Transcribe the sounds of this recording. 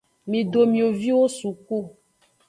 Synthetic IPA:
mĩ˨ɖo˨mĩ˨o˨vi˦wo˦su˨ku˦˨

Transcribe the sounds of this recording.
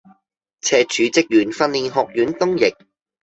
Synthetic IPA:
t͡sʰɛː˧t͡ʃʰyː˨˧t͡sɪ˥k̚jyː˨˩nfɐ˧nliː˨˧nɦɔː˨k̚jyː˨˥nt̪ʊ˥ŋjɪ˨˩k̚

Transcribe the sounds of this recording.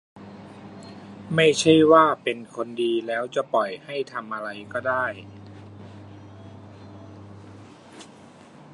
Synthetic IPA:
ma˥˩jt͡ɕʰa˥˩jwaː˥˩pe˧nkʰo˧ndiː˧lɛː˦˥wt͡ɕa˨˩pɔ˨˩jha˥˩jt̪ʰa˧mʔa˧ɾa˧jkɔː˥˩daː˥˩j

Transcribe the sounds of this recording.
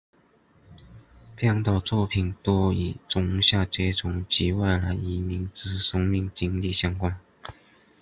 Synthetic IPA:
pʰjɑ˥˧ŋt̪ɑ˥˧˩ʊt͡swɔ˥˩pʰi˨˩nt̪wɔ˥i˨˩t͡sʊ˧˥ŋɕja˥˧t͡ɕe˥ʈ͡ʂʊ˧˥ŋt͡ɕi˧˥wa˥˩ɪla˧˥ɪi˧˨˩mi˧˥ŋt͡sɹ̩˧˥sɤ˥ŋmi˥˩ŋt͡ɕi˥ŋli˥˩ɕjɑ˥ŋkwa˥n

